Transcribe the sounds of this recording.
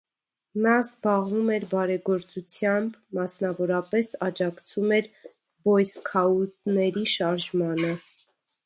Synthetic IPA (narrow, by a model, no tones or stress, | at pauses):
nɑzbɑʁvumɛɾbɑɾɛɡɔɾt͡sut͡sʰjɑmbmɑsnɑvɔɾɑpɛsɑd͡ʒɑkt͡sʰumɛɾ | bɔjskʰɑut̪nɛɾiʃɑɾʒmɑnə